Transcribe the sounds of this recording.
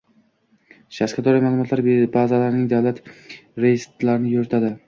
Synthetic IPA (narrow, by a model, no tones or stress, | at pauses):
ʃasqad̪ɒɾajmaːlˠʊmɒt̪laɾbazalaɾnɪŋd̪avlat̪ɾest̪laɾɪnɪjɵɾɪt̪ʰad̪ɪ